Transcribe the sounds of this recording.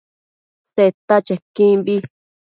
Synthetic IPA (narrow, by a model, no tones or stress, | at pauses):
set̪at͡ʃekĩbi